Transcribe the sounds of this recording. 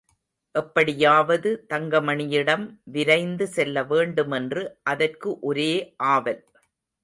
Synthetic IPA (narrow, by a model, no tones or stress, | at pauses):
ʔɛpːɐɽɪjaːʋɐðɯt̪ɐŋɡɐmɐɳɪjɪɽɐmʋɪɾɐɪnd̪ɯsɛlːɐʋeːɳɖɯmɛndrɯʔɐðɐrkɯʔɔɾeːʔaːʋɐl